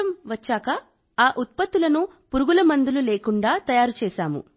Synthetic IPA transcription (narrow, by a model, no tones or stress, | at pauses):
ɐmʋɐt͡ʃːaːkɐ | aːʔut̪̚pɐt̪ːulɐnu | puɾuɡulɐmɐnd̪ululeːkuɳɖaːt̪ɐjaːɾut͡ʃɛːʃaːmṵ